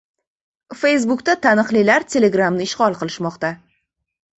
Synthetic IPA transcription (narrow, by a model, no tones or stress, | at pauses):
fe̞js̬bʊkt̪at̪ʰanɨqlɪlaɾt̪ʰʲe̞le̞ɡɾamnɪɪʃʁɒlˠqɨlɪʃmɒqt̪a